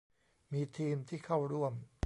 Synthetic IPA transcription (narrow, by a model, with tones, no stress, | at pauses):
miː˧t̪ʰiː˧mt̪ʰiː˥˩kʰa˥˩wɾu˥˩əm